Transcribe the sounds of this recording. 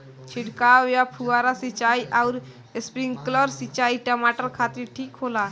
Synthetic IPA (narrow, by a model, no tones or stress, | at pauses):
t͡ʃʰiʈkajapʰuaɾasit͡ʃaiʔauɾ | espɾiŋɡkləɾsit͡ʃaiʈəmaʈəɾkʰat̪iɾʈʰiːkɦola